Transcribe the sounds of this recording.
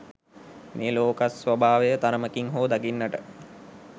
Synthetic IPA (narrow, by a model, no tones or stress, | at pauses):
meloːkasʋɐbʱaːʋejət̪aɾəməkiŋɦoːd̪aɡinːəʈə